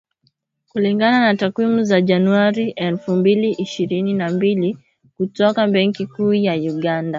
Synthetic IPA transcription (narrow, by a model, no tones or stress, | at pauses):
kuliŋɡananatakwimuzaʄanuaɾiʔɛlfumbiliʔiʃiɾininambili | kutɔkaɓɛŋkikuːjauɠanda